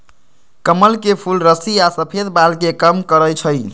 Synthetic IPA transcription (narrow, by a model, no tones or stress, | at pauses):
kəməlkepʰulɾəsiasəpʰed̪balkekəmkəɾəjt͡ʃʰəɪ